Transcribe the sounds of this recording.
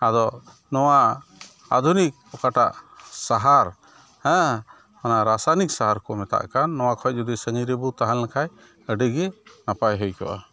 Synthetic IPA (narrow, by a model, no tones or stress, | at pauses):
ad̪ɔ | nɔwa | ad̪ʱunik̚ɔkaʈa̰ʔsaɦaɾ | hɛ̃ | anaɾasanik̚saɦaɾkɔmɛt̪a̰ʔkanːɔwakʰɔc̚d͡ʒud̪isəɲiɾɛbut̪aɦalnakʰaj | əɖəɡɛnapajɦəjkɔ̰ʔa̰